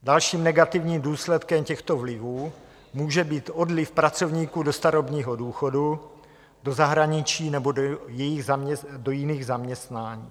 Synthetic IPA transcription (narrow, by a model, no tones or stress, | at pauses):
dalʃiːmnɛɡat̪ɪvɲiːmduːslɛt̪kɛmcɛxt̪o̞vlɪvuː | muːʒɛbiːt̪o̞dlɪfpɾat͡so̞vɲiːkuːdo̞st̪aɾobɲiːɦo̞duːxo̞du | do̞zaɦɾaɲɪt͡ʃiːnɛbojɛjɪɣzaɛdojɪniːɣzamɲɛst̪naːɲiː